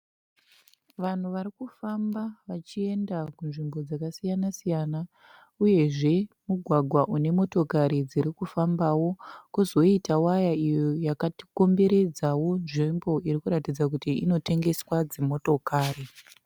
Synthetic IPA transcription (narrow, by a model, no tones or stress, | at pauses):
ʋan̤uʋaɾikufambaʋat͡ʃie̞ndakunʐimbo̞d͡zakasijanasijana | uje̞ʐe̞muɡʱwaɡʱwaʔune̞mo̞to̞kaɾid͡ziɾikufambawo̞kuzo̞itawajaijo̞jakati̥ko̞mbe̞ɾe̞d͡zawo̞nʐimbo̞iɾikuɾatid͡zak̬utiino̞te̞ŋɡe̞swad͡zemo̞to̞kaːri